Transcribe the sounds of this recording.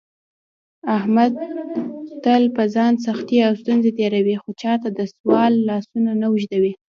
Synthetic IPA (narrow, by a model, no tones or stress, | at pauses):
ahmad̪̚ | t̪əlpəzɑns̬axt̪iawst̪unzet̪eɾawixot͡ʃɑt̪ad̪əswɑlːɑsunanawʊʒd̪awi